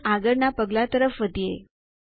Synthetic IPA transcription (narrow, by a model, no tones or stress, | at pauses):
aɡəɾnapəɡlat̪əɾəfʋəd̪ʱije